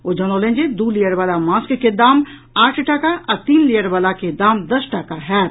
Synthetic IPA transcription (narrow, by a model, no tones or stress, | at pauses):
oːd͡ʒɐnoːlẽːnd͡ʒed̪uːlijəɾbaːlamaːskked̪aːm | aːʈʰʈaːkaɐt̪iːnlijəɾbaːlaked̪aːmd̪ɐsʈaːkaɦɛː